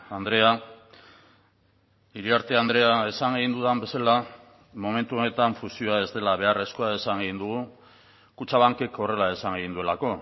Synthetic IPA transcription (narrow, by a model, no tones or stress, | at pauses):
and̪ɾe̞a | iɾiaɾt̪e̞and̪ɾe̞ae̞saŋɡeɣind̪uðambe̞sala | mo̞me̞nt̪uone̞t̪aɱfusio̞ae̞zd̪e̞laβ̞e̞are̞skoae̞saŋɡeɣind̪uɣ̞u | kut͡ʃaβaŋke̞ko̞re̞lae̞saŋɡeɣind̪ue̞lako̞